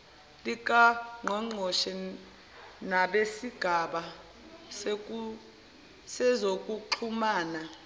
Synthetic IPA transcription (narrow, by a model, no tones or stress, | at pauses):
lik̬ʼaŋɔŋ͡ǃʱɔʃɛ | naɓesiɡ̥ʱaɓa | u | sɛzok̬ʼuǃʰumaːna